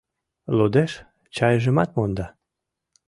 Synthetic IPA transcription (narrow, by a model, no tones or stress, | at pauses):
lod̪eʃ | t͡ɕɑjəʒə̆mɑt̪̚mond̪ɑ